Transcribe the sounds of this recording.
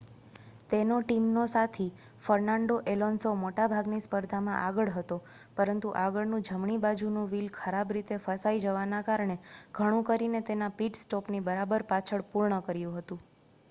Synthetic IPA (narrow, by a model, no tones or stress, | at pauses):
t̪enoʈimnosat̪ʰi | fəɾnaɳɖoʔelonsomoʈabʱaɡnispəɾd̪ʱamãʔaɡəɭɦət̪o | pəɾənt̪uʔaɡəɭnũd͡ʒʱəmɳibad͡ʒunũʋilkʰəɾabɾit̪efəsaid͡ʒəʋanakaɾɳeɡʱəɽ̃ũkəɾinet̪enapiʈsʈɔpnibəɾabəɾpat͡ʃʰəɭpuɾɳəkəɾjũɦət̪ũ